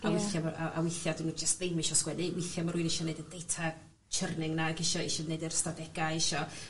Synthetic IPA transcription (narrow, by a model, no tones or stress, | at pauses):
awɪθjamaʔa̰ʔa̰wɪθjadɪnud͡ʒəstðejmɪʃɔskwɛnɨwɪθjamaɾuːɨnɪʃɔneɨdədejtʰa | t͡ʃʰərnɪŋnaɡɪʃɔɪʃɔnejdɛrstadɛɡ̥aɪʃɔ